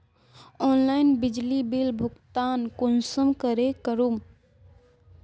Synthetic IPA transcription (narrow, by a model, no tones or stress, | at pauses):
ɔnlainbid͡ʒlibilbʱʊkt̪ankonsəmkəɾekəɾum